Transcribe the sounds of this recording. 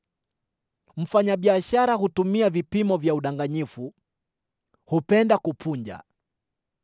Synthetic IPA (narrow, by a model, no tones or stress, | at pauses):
m̩faɲaɓiaʃaɾaɦutumiavipimɔvjauɗaŋɡaɲifu | hupɛndakupʰuɲd͡ʒa̰